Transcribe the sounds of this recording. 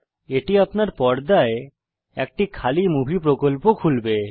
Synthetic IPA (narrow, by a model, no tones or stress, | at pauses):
eʈiapnaɾpɔɾd̪ae | ɛk̚ʈikʰalimubʱipɾokolpokʰulbe